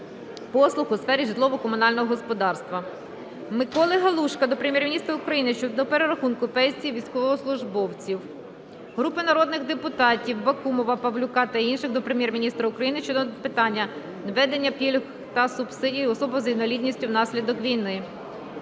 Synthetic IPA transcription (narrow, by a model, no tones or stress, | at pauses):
pɔslˠʊxʊsfɛɾʲiʒɪd̪lˠɔʋɔkɔmʊnɑlʲnɔɦɔɦɔspɔd̪ɑrst̪ʋɐ | mɪkɔlˠɪɦɐlˠuʃkɐd̪ɔpɾemjɛrmʲinʲist̪ɾɐʊkɾɐjinɪʃt͡ʃɔd̪ɔpeɾeɾɐxunkʊpɛnʲsʲijiʋʲijsʲkɔʋɔɦɔslˠʊʒbɔwt͡sʲiw | ɦɾupɪnɐɾɔd̪nɪɣd̪epʊt̪ɑtʲiwbɐkumɔʋɐpɐwlʲʊkɑt̪ɐiinʃɪxd̪ɔpɾemjɛrmʲinʲist̪ɾɐʊkɾɐjinɪʃt͡ʃɔd̪ɔpɪt̪ɑnʲːɐ | nɐʋɛd̪enʲːɐpʲilʲɦ | t̪ɐsʊbsɪdʲijiɔsɔbɔzɐinɐlʲid̪ʲnʲisʲtʲiwnɑsʲlʲid̪ɔkʋʲijnɪ